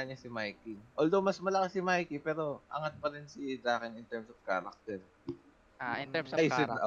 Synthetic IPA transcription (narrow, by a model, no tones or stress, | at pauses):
ɐɲɐsɪmajkiʔold̪owmɐsmɐlɐkɐsɪmajkipɛːɾo̞ʔɐ̰ŋat̪̚pɐɾɪnsɪd̪aːkɪnɪnt̪ɛɹmsɐfka̰ːɾɐ̰k̚t̪ɛɾ | aɪnɛmsajsɪ